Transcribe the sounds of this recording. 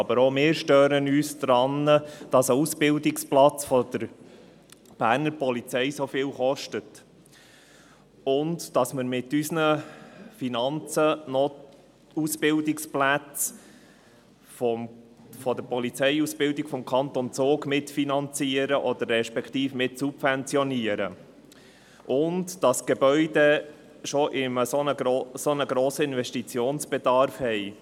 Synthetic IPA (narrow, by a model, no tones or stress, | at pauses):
ɑbəɾomɪːɾʃtøːɾənyːsdɾɑnːəd̥ɑsəusb̥ɪldɪksplɑt͡sfɔd̥̪əɾ | b̥æːɾnəɾpɔlit͡sɛjsofɪːlχɔʃtət | ʊndd̥ɑsməɾmɪtːysnəfinɑnt͡sənɔ | usb̥ɪldɪksplæt͡s | fɔ | fɔd̪əɾpɔlit͡sɛjusbɪldɪkfɔmkʰɑnt̪ont͡soːkmɪtfinɑnt͡siəɾəʔɔd̥̪əɾːɛʃpɛkʰt̪iːfmɪtsupfɛnt͡sjɔniəɾə̰ | ʔʊntd̥ɑsɡ̥ebœʏde | ʃɔʔɪməsnəsonəɡɾoːsəɪnvɛʃtit͡sjoːnsb̥ɛdɑɾfhɛɪ